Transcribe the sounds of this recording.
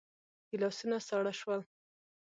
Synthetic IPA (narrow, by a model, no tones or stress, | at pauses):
kilɑsunasɑɽaʃwəl